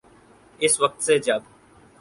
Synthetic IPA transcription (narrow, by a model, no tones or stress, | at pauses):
ɪsʋɐk̚t̪sed͡ʒɐb